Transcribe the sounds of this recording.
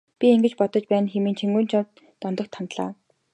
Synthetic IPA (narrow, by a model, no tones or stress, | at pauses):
pʲieŋɡɘ̆t͡ɕpɔt̪ɞ̆t͡ɕpæːnxemiːnt͡ɕʰeŋɡuːnt͡ɕʰɔt̪ | t̪ɔnt̪ɞ̆k̚t̪ʰːant̪ɮa̰ː